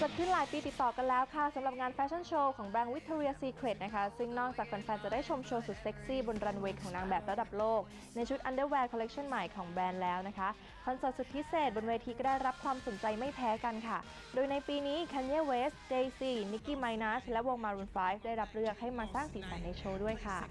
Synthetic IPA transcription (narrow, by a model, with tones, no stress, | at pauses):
t͡ɕo˨˩t̪̚kʰɯ˥˩nlaː˨˦jpiː˧t̪i˨˩t̪ːɔː˨˩ka˧nlɛː˦˥wkʰa˥˩sa˨˦mɾa˨˩p̚ŋaː˧nfɛː˦˥t͡ɕʰa˥˩nt͡ɕʰoː˧kʰɔː˩˦ŋbɛː˧nwi˦˥t̪ʰːu˧ɾi˧əsiː˧kʰɾe˨˩t̪̚na˦˥kʰa˦˥sɯ˥˩ŋnɔː˥˩k̚t͡ɕaː˨˩k̚fa˧nfɛː˧nt͡ɕa˨˩daː˥˩jt͡ɕʰo˧mt͡ɕʰoː˧su˨˩t̪̚se˦˥k̚siː˥˩bo˧nɾa˧nweː˦˥kʰːɔː˩˦ŋnaː˧ŋbɛː˨˩p̚ɾa˧da˨˩p̚loː˥˩k̚ | na˧jt͡ɕʰu˦˥t̪̚ʔa˧ndɤː˥˩wɛː˧kʰle˦˥k̚t͡ɕʰa˥˩nma˨˩jkʰɔː˩˦ŋbɛː˧nlɛː˦˥wna˦˥kʰa˦˥ | kʰɔ˧nsɤː˨˩t̪su˨˩t̪̚pʰi˦˥seː˨˩t̪̚bo˧nweː˧t̪ʰiː˧kɔ˥˩daː˥˩jɾa˦˥p̚kʰwaː˧mso˨˩˦nt͡ɕa˧jma˥˩jpʰɛː˦˥ka˧nkʰa˥˩ | doː˧jna˧jpiː˧niː˦˥kʰɛ˧nji˥˩weː˦˥sdeː˧jsiː˧˩ni˦˥kiː˧˩ma˧jnaː˦˥slɛ˦˥wo˧ŋmaː˧ɾuː˧nfaː˦˥jfdaː˥˩jɾa˦˥p̚ɾɯ˥˩ək̚ha˥˩jmaː˧saː˥˩ŋsiː˩˦sʰaː˨˩˦nːa˧jt͡ɕʰoː˧du˥˩əjkʰa˥˩